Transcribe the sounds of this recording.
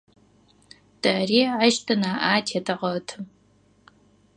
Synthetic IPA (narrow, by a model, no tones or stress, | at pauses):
d̥ɐriːʕaʃtʰɨnaːʔaːtʰetʰɐʁɐtʰɨ